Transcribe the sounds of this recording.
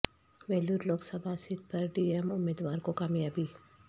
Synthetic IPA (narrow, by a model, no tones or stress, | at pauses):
ʋɛːluɾloːɡsɐbʱasɪt̪̚pɐɾɖiːemʊmeːd̪ʋaːɾkokaːmjaːbi